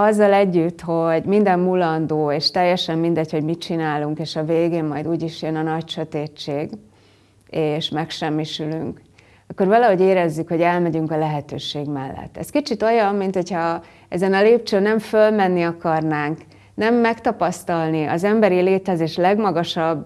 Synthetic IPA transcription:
ɒzːɒlɛɟːyt̪ho̞ɟmind̪ɛmːulɒnd̪oːeːʃt̪ɛjːɛʃɛmmind̪ɛcho̞ɟmit͡ʃinaːluŋkeːʃɒveːɡeːnmɒjd̪uːɟiʃjønɒnɒcʃøt̪eːt͡ʃeːɡ | eːʃmɛkʃɛmːiʃylyŋk | ɒkːo̞rvɒlɒɦo̞ɟeːɾɛzːykho̞ɟɛlmɛɟyŋkɒlɛɦɛt̪øːʃeːɡmɛlːɛ̰t̪ːɛ̰skit͡ʃit̪o̞jɒmːint̪ho̞chɒ | ɛzɛnɒleːp̚t͡ʃøːnɛɱfølmɛnːiɒkɒrnaːŋk | nɛmːɛkt̪ɒpɒst̪ɒlniʔɒ̰zɛmbɛɾileːt̪ɛzeːʃlɛɡmɒɡɒʃɒbː

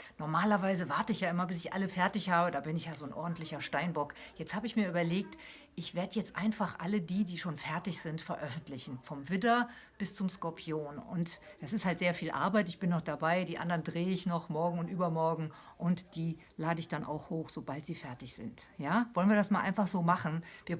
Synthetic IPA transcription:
nɔɐmaːlɐvaɪzəvaɐtəɪçjaːʔɪmɐbɪsɪçʔa̰ləfɛɐtɪçhaːbədaːbɪnɪçjaːzoːnʔɔ̰ɐdn̩tlɪçɐʃtaɪnbɔkjɛt͡sthaːbəɪçmiːɐʔyːbɐleːk̚t | ʔɪçv̥eːɐdəjɛt͡stʔa̰ɪnfaχʔa̰lədiːdiːʃoːnfɛɐtɪçz̥ɪntfɛɐʔœfn̩tlɪçn̩fɔmvɪdɐ | b̥ɪst͡sʊmskɔɐpʰioːnʊ̰ntd̥asɪsthaltz̥eːɐfiːlʔa̰ɐbaɪtɪçb̥ɪnːɔχd̥abaɪdiːʔandɐʁndʁeːəɪçnɔχmɔɐɡŋ̩ʊntʔyːbɐmɔɐɡŋ̩ʔʊntd̥iː | laːdəɪçd̥anʔa̰ʊxhoːxz̥obaltz̥iːfɛɐtɪçz̥ɪ̰nt | jaːvɔlənviɐdasmaːlʔaɪnfaχz̥oːmaχn̩viːɐ

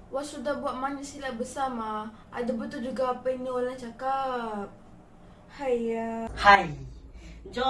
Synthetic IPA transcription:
wasudahbuaʔmanisilaʔbəsama | ʔa̰dabət̪uld͡ʒuɡaːpainiolaŋt͡ʃakap̚ | hajhaj | d͡ʒɔ

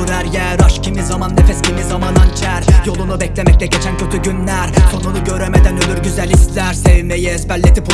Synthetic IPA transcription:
ɾæɾjɛɾɑʃcʰimizamanːefɛscʰimizamanant͡ʃʰæɾjo̞lˠunubɛclʲemɛc̚lʲɛɟɛt͡ʃʰæncʰø̞t̪ʰyɟynlʲæɾkʰo̞nunuɟø̞ɾemed̪ænølʲyɾɟyzælʲislʲæɾsevmejiɛsbælʲːet̪ʰip

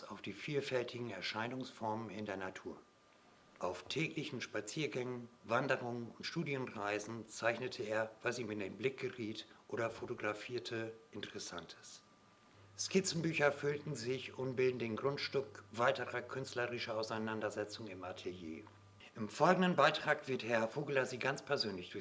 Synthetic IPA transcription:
saʊfd̥iːfiːlfɛltʰɪɡŋ̩ɛɐʃaɪnʊŋsfɔɐmənɪ̰ndeːɐnatʰuːɐ | ʔaʊftʰɛːklɪçn̩ʃpat͡siːɐɡɛŋənvandəʁʊŋənʊntʃtuːdjənʁaɪzn̩t͡saɪçnətʰəeːɐvasiːmɪndeːnblɪk̚ɡ̥əʁiːtʔoːɾɐfotoɡʁafiːɐtʰəʔɪntəʁɛsa̰ntʰə̥s | skɪt͡sn̩byːçɐfʏltn̩zɪçʊntbɪldn̩dənɡʁʊntʃtʊkv̥aɪtəʁɐkʰʏnstləʁɪʃɐaʊsaɪnandɐzɛt͡sʊŋɪmaɐtʰɛljḛː | ʔɪmfɔlɡŋ̩dənbaɪtʁ̥aːkv̥ɪɐthɛɐfoːɡəlɐziːɡant͡spʰɛɐzøːnlɪçd̥ʊɐç

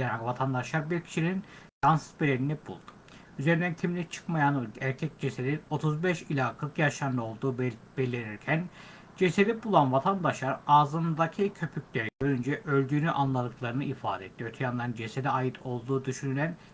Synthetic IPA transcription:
enavat̪ʰand̪aʃlˠaɾbiɾcʰi̥ʃinin | jansɯ̥zbiɾeɾinɛbṵlˠd̪̥u̥ | yze̞ɾind̪ænc̪ʰiminʲɛt͡ʃʰɯ̥kmajanæɾcʰɛc̚d͡ʒesed̪ino̞t̪ʰuzbɛʃilʲakʰɯkjaʃlˠand̪ao̞lˠd̪uːbbe̞lʲiɾiɾcʰæn | d͡ʒe̞sed̪ɛbulˠanvat̪ʰand̪aʃlˠaɾazɯnd̪acʰicʰø̞pʰycʲlʲeɾiɟø̞ɾynd͡ʒɛʔø̞lʲd̪yːnyʔanlˠad̪ˠɯklˠaɾɯnɯʔifa̰ːd̪ɛet̪ːiøt̪ʰyjand̪and͡ʒesed̪iajɯt̪ʰo̞lˠd̪uːd̪yʃynylʲæn

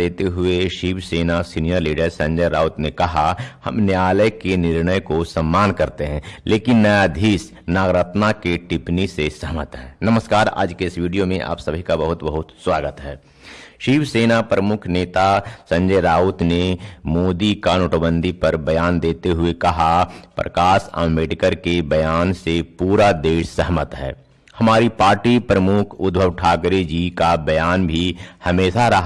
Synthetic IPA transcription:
eːt̪eɦʊeʃiːʋseːnasiːnijəɾliːɖəɾsɐ̃ɲd͡ʒəɾaːʊt̪nekɐɦahɐ̰mnjaːləjkenɪɾnəjkosɐmːaːnkɐɾt̪eɦɛ̃ːleːkɪnːɐjad̪ʱiːs | naːɡɾət̪nakeʈɪpnisesɐɦmət̪ɦɛːnɐməskaːɾa̰ːd͡ʒkeɪsʋiːɖijomẽʔa̰ːpsɐbʱikabɐɦʊt̪bəɦʊt̪swaːɡət̪ɦɛː | ʃiːʋseːnapɾəmʊkʰneːt̪asɐ̃ɲd͡ʒeːɾaːʊt̪nemoːd̪ikanʊʈʰəbə̃nd̪ʱipɐɾbɐjaːnd̪eːt̪eɦʊekɐɦapɾɐ̰kaːsa̰ːmeːɖkəɾkebɐjaːnsepuːɾad̪eːʃsəɦmət̪ɦɛ̰ː | hɐmaːɾipaːɾʈipɾəmʊkʰʊd̪bʱəʋʈʰaːkɾed͡ʒikabɐjaːnbʱihɐmeːʃaɾɐɦ

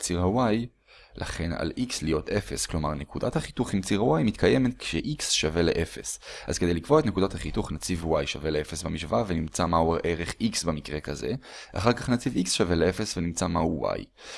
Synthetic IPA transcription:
t͡siʁawaj | lʔa̰χe̞na̰likslijo̞tʰe̞fe̞sklo̞maʁne̞kud̪athaχituχimt͡siʁawajmit̪kʰajemet̪kʃeʔiksʃave̞leʔefe̞̰sʔa̰zked̪ejlikv̥o̞etnekudathaχituχnat͡sivwajʃave̞leefe̞sbamiʃvavenimt͡samaueʔe̞ʁeχiksbemikʁe̞kaze̞̰a̰χaʁkaχnat͡siviksʃave̞lee̞fesvenimt͡samauwa̰j

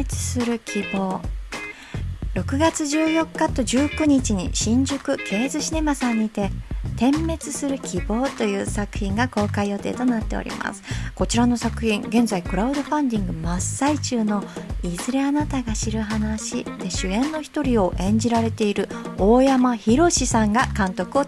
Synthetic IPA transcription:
t͡sɨ̥sɨɾɯ̟kʲʰibo̞ː | ɾo̞kɯ̟ɡat͡sɨʑɨːjo̞kːat̪o̞ʑɨːkɯ̟ɲ̟it͡ɕiɲ̟ḭɕĩɲ̟d͡ʑɨkɯ̟kʰe̞ːzɨɕine̞masãɲ̟ːit̪e̞t̪ẽ̞mːe̞t͡sɨsɨɾɯ̟kʲʰibo̞ːt̪o̞jɯ̟ːsakɯ̟̥çʲĩŋɡako̞ːkaijo̞t̪e̞̰ːt̪o̞nat̪ːe̞o̰ɾʲḭma̰sɨ̥ko̞t͡ɕiɾano̞sakɯ̟çĩŋɡẽ̞nzaikɯ̟ɾaɯ̟d̪o̞ɸãnd̪ʲĩŋɡɯ̟masait͡ɕɨːno̞izɨɾe̞anat̪aɡaɕiɾɯ̟ɦanaɕid̪̥e̞ɕɨẽ̞nːo̞çi̥t̪o̞ɾʲio̞ʔẽ̞ɲ̟d͡ʑiɾaɾe̞t̪e̞iɾɯ̟o̞ːjamaçiɾo̞ɕisãŋɡakãnt̪o̞kɯ̟o̞

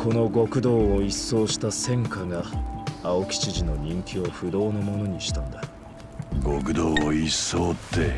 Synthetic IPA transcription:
ko̞no̞ɡo̞kɯ̟d̪o̞ːoisːo̞ːɕi̥t̪asẽ̞ŋkaɡaaokʲi̥t͡ɕiʑino̞ɲʲĩŋkʲio̞ɸɯ̟d̪o̞ːnomo̞no̞ɲ̟iɕi̥t̪ãnd̪a | ɡo̞kɯ̟d̪oːoisːoːt̪ːe̞

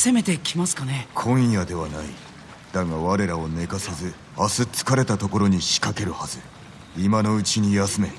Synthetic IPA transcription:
se̞me̞t̪ekʲimasɨ̥kanekʰõ̞jad̪e̞β̞anai | d̪̥aŋaβaɾe̞ɾao̞ne̞kase̞zɨ | asɨt͡sɨ̥kaɾe̞t̪at̪o̞ko̞ɾo̞ɲ̟iɕi̥kake̞ɾɯ̟haz̥ɨ | imano̞ɯ̟t͡ɕiɲ̟ijasɨme̞

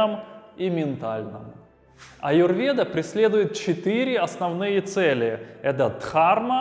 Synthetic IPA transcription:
ɨmimʲɪnt̪alʲnɨ̰m | ɐjʊrvʲed̪əpɾʲɪsʲlʲe̞d̪ʊjɪt̪̚t͡ɕɪt̪ɨɾʲɪɐsnɐvnɨjət̪sɛlʲɪɛt̪ət̪xarmə

